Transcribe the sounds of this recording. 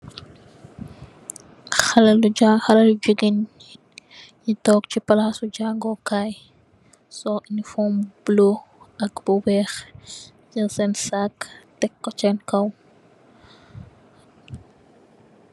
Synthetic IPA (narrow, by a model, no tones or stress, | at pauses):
xɐlɐluaxɐlɐlud͡ʒuɡin | jitɔːk̚t͡ʃipɐlaːsuɟaːŋɡɔkaːj | sɔʔinifɔːmb̥loʔɐkbuwɛːx | d͡ʒɐsɛnsaktɛkːɔt͡ʃɛnkɐw